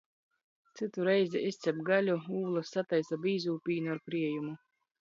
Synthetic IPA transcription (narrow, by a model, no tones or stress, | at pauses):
t̪sɨt̪uɾɛjzʲɛʔist̪sʲɛbɡalʲuuːlˠasːat̪ajsabiːzuːpʲiːnuaɾpɾiɛjumu